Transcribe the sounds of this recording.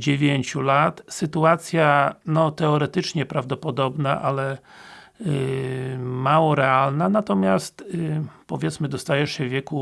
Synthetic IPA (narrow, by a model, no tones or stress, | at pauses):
d͡ʑevʲjeɲt͡ɕulat̪sɘt̪uat̪sʲjanɔt̪ɛɔɾɛt̪ɘt͡ʂɲɛpɾavd̪ɔpɔd̪ɔbnaʔalɛ | mawɔɾɛalnanat̪ɔmʲjast̪pɔvʲjɛt̪smɘd̪ɔst̪ajɛʂɕɛvʲjɛku